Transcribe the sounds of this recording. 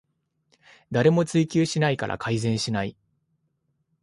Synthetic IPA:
d̪aɾe̞mo̞t͡sɨikʲɨːɕinaika̰ɾʔa̰kʰaizẽ̞ɰ̃ɕinai

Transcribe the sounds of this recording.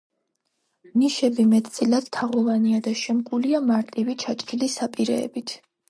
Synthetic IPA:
niʃɛbimɛt̪ʰt̪sʼilad̪̥t̪ʰaʁɔvaniad̪aʃɛmkʼuliamaɾt̪ʼivit͡ʃʰat͡ʃʼɾilisapʼiɾɛ̰ːbit̪ʰ

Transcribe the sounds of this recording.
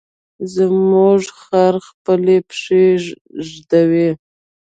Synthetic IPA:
zəmʊʐxaɾxpəlepʂe | ʒd̪awi

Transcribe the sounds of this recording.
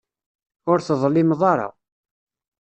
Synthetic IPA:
ʊɾθðˤlːɪmðˤɑɾˤɑ̰

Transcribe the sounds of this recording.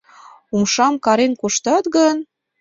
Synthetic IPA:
umʃɑmkɑɾenkuʃt̪ɑt̪ɣən

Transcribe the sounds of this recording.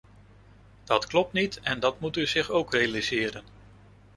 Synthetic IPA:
d̥ɑtklɔp̚tnitɛndɑtmutyzɪχowkrejalizɪːɾən

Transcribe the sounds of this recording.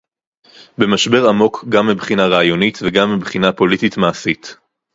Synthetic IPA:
bemaʃbe̞ʁamo̞kʰɡamːibχinaʁaːjo̞nitveɡamːibχinapo̞lititmaːsit

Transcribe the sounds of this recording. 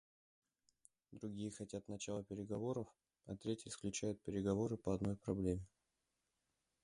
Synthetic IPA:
d̪ɾʊɡʲijəxɐtʲat̪nɐt͡ɕalˠəpʲɪɾʲɪɡɐvo̞ɾəf | ɐt̪ɾʲetʲɪsklʲʉt͡ɕæjʊt̪̚pʲɪɾʲɪɡɐvo̞ɾɨpəɐd̪no̞jpɾɐblʲemʲɪ

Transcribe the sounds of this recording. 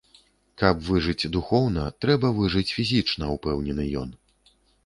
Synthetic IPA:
kɐpvɨʐɨt͡sʲd̪uxɔwnɐt̪ɾɛbɐvɨʐɨt͡sʲfʲizʲit͡ʂnɐupɛwnʲɛnɨjɔ̰n

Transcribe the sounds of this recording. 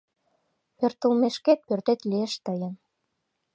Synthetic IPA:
pørt̪əlmeʃket̪̚pørt̪et̪lieʃt̪əjən

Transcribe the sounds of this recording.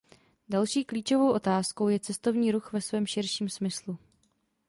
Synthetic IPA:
dalʃiːkliːt͡ʃo̞vo̞wʔo̞t̪aːsko̞wjɛt͡sɛst̪o̞vɲiːɾuxvɛsvɛːmʃɪɾʃiːmsmɪslu

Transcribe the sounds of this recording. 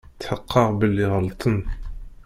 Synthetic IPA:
t̪ːħəqːɑʁbəlːiʁəlt̪ʰˤən

